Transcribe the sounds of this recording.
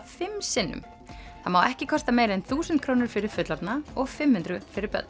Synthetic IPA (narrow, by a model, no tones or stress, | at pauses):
fɪmsɪnːʏ̰m | θaðmawɛhcɪkʰɔst̪ameːjɾɛnθuːsɛnt̪kʰɾoːwnɪɾ̥fɪɾɪɾ̥fʏt̪laɾt̪naɔɣfɪmːhʏnt̪ɾʏfɪɾɪɾpœ̰t̪n